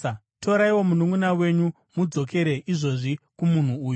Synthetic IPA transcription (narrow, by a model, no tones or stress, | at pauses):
to̞ɾaiwo̞munuŋunawe̞ɲu | mud͡zo̞ke̞ɾe̞ʔiʐo̞ʐikumun̤uːju